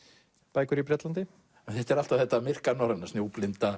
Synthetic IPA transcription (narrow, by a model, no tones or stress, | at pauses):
paːjkʏɾipɾɛt̪lant̪ɪ | θɛht̪ɛɾal̥t̪avθɛt̪ːamɪr̥kanɔɾanḁsnjowplɪnt̪a